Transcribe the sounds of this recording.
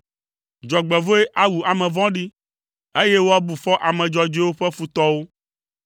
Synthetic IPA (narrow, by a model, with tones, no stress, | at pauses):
d͡ʒɔ˨ɡ͡bɛ˨vo˦e˦ʔa˦wu˨a˨mɛ̃˨vɔ̃˦ɖi˦ | e˦je˦wo˦a˦bu˨fɔ˦ʔa˨mɛ̃˨d͡ʒɔ˨d͡ʒe˦wo˦ɸɛ˦fu˨t̪ɔ˦wo˦